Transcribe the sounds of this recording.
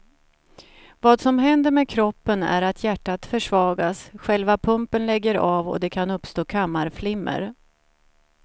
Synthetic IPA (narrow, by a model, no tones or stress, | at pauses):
vɑːd̪sɔmɦɛnd̪əɾmeːkʰɾɔpːənæ̰ɾat̪ʰjæʈːat̪fœʂvɑːɡasɧɛlvapʰɵmpənlɛɡːəɾaːvɔ̰d̪ɛkʰanɵpst̪oːkʰamːaɾflɪmːə̰ɾ